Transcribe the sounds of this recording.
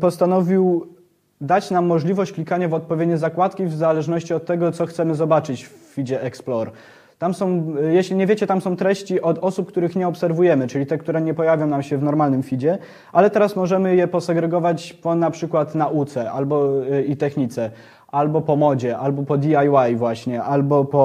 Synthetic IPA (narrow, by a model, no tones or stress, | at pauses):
pɔst̪anɔvʲiw | d̪at͡ɕnamːɔʐlʲivɔɕt͡ɕklʲikaɲavɔt̪̚pɔvʲjed̪ɲɛzakwat̪kʲivzalɛʐnɔɕt͡ɕiɔt̪ːɛɡɔt̪sɔxt̪sɛmɘzɔbat͡ʂɘt͡ɕffʲid͡ʑɛʔɛksplɔɾ | t̪amsɔ̃w̃jeɕlʲiɲɛvʲjet͡ɕɛt̪amsɔ̃w̃t̪ɾɛɕt͡ɕiʔɔd̪ɔsup̚kt̪uɾɘxɲɛɔpsɛɾvujɛmɘt͡ʂɘlʲit̪ɛk̚t̪uɾɛɲɛpɔjavʲjɔ̃w̃namɕɛvnɔɾmalnɘmfʲid͡ʑɛ | ʔalɛt̪ɛɾasmɔʐɛmɘjɛpɔsɛɡɾɛɡɔvat͡ɕpɔnapʂɘkwat̪naʔut̪sɛʔalbɔit̪ɛxɲit̪sɛ | ʔalbɔpɔmɔd͡ʑɛʔalbɔpɔd̪ʲiajwajvwaɕɲɛʔalbɔpɔ